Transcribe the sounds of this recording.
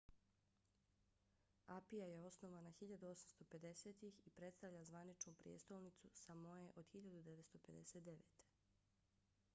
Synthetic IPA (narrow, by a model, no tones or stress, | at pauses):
apijaje̞o̞sno̞ʋanaxiʎad̪uo̞samst̪o̞pe̞d̪e̞seːt̪ixipɾe̞t̪st̪aʋʎazʋanit͡ʃnupɾijḛt̪st̪olnit̪susamojeʔo̞d̪̥xiʎad̪ud̪eʋet̪st̪ope̞d̪ḛset̪d̪e̞ʋḛːt̪e̥